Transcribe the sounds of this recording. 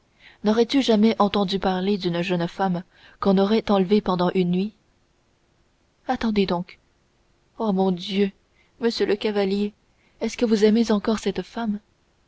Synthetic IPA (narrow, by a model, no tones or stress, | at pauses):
nɔʁɛt̪yʒamɛʔɑ̃t̪ɑ̃d̪ypaʁled̪ynʒənfam | kɔ̃nɔʁɛt̪ɑ̃lvepɑ̃d̪ɑ̃ʔynːɥi | at̪ɑ̃d̪ed̪ɔ̃k | omɔ̃d̪jø | məsjøləkavalje | ɛskəvuzɛmezɑ̃kɔʁsɛt̪fam